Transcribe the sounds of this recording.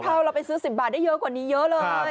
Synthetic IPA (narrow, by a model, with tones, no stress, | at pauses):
pʰaː˧˩wɾa˧wpa˧jsɯː˦˥si˨˩p̚baː˨˩t̚a˥˩jɤ˦˥ʔkwaː˨˩niː˦˥jɤ˦˥ʔlɤː˧